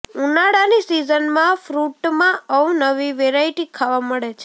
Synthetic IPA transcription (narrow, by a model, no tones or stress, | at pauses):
unaɽanisizənmãfɾuʈmãəʋnəʋiʋeɾaiʈikʰaʋaməɭet͡ʃʰe̥